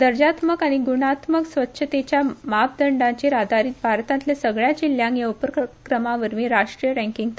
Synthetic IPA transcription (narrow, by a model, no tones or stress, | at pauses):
d̪əɾd͡ʑat̪məkaɽ̃iɡuɽat̪məksʋətːɕʰət̪et͡ɕjamap̚d̪əɳɖãt͡ɕeɾad̪ʱaɾiːt̪̚bʱaɾt̪ãnt̪lesəɡɭjad͡ʑiljãŋkjaupɾəkɾəmaʋəɾmiːɾaʂʈɾijəɾɛ̃ŋkiŋɡ̚t̪